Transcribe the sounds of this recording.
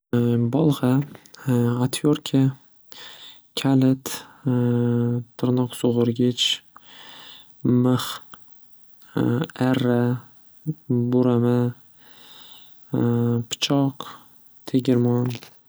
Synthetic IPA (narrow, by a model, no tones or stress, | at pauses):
bɒlˠʁɑ | at̪ʰjoɾkʲʰa | kʲʰalɪt̪ | t̪ʰːɨɾnɒqsʊʁʊɾɡʲɪt͡ʃ | mɨχ | aɾːa | bʊɾama | pʰɪ̥t͡ʃʰɒq | t̪ʰeɡʲɪɾmɒn